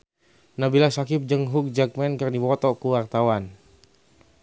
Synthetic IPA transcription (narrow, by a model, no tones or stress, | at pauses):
nabilasakip̚d͡ʒəŋɦuk̚d͡ʒak̚mɛnkərdipɔt̪ɔkuwart̪awan